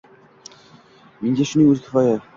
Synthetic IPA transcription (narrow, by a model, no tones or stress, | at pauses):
meŋɡʲaʃʊnɪŋʲɵzkʲʰɪ̥fɒja